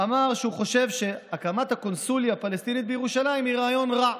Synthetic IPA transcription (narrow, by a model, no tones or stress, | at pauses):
amaʁʃeuχo̞ʃe̞vʃe̞akamat̪hako̞nsuljapalest̪init̪bejeʁuʃalaimiʁaːjo̞nʁa